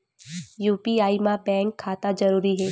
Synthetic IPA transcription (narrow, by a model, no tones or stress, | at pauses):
juːpiaːimãbɛ̃ːŋkʰːaːt̪ad͡ʒɐɾuːɾiɦɛː